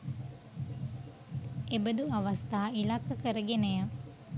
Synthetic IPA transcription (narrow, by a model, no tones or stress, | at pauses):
ebəd̪uɐʋɐst̪aːilakːəkəɾəɡenəjə